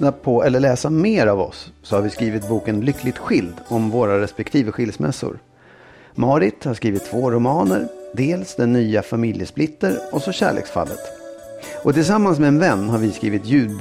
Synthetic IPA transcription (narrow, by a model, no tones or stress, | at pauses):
napʰɔɛlːəɭɛːsameːɾavɔ̰sːɔhaɾvɪskɾiːvɪt̪̚buːkənlʏkʰːlɪt̪ɧɪld̪ɔmvoːɾaɾɛspɛkt̪ʰiːvəɧɪld̪smɛ̰sːʊ̰ɾ | mɑːɾɪt̪haɾʂkɾiːvɪt̪ʰːvoːɾʊmɑːnə̰ɾd̪eːlsd̪ɛnːyːafamɪljəsplɪt̪ːəɾɔsɔɕæ̰ːɭḛːksfa̰lːə̰t̪ | ʔɔt̪ʰɪls̬amːans̬mɛɛnvɛnːɦaɾvɪskɾḭːvɪt̪jʉ̟ːd̪